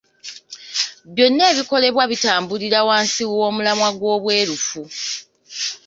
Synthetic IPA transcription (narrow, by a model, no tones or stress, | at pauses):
βjo̞nːe̞ːβiko̞le̞βwaβitaːmbuliɾawaːnsiwo̞ːmulamwaɡwo̞ːβwe̞ːɾufu